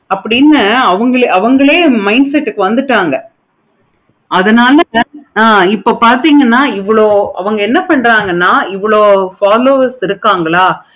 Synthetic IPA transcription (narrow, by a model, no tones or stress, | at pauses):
ɐpːɐɽinːɐɐʋɐŋɡɐɭɐʋɐŋɡɐɭeːmɐɪnsɛʈːɯkːɯʋɐnd̪ɯʈːaːŋɡɐ | ɐðɐnaːlɐaːɪpːoːpaːɾt̪iːŋɡɐnːaːɪʋːɐɭoːɐ̰ʋɐŋɡɐɛnːɐpɐɳːɾaːŋɡɐnːaːɪʋːɐɭoːfaːloːɐsɪɾɯkːaːŋɡɐɭaː